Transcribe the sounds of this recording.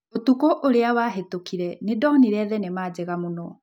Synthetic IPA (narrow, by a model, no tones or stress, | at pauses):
otukoʔoɾeawaːɦetokiɾɛnedɔniɾɛðɛnemaːd͡ʑeɣamonɔ